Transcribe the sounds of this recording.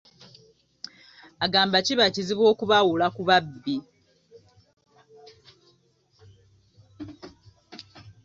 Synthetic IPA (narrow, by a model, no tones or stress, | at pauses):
aɡaːmbaciβaciziβwo̞ːkuβawulakuβabːi